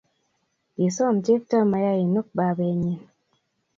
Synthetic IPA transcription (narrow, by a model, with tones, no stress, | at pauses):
i˨sɔ˦˨mt͡ʃe˦ftɔ˦ma˨ja˦i˨nu˦k̚ba˨be˨ɲi˦n